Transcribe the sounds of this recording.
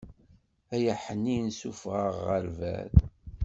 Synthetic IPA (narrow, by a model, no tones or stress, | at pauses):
æjəħənːinsufʁəʁəɾvæ̰ð